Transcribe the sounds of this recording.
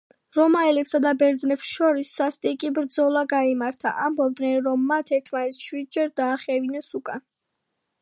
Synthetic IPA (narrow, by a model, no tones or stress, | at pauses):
ɾɔmaɛlɛpsad̪abɛɾd̪znɛpsʃɔɾisːast̪ʼikʼibɾd̪zɔlˠaɡaimaɾt̪ʰa̰ʔambɔb̚d̪nɛnɾɔmːat̪ʰɛɾt̪ʰmanɛt̪sʃwid̪̚d͡ʒɛɾd̪aːχɛvinɛsukʼan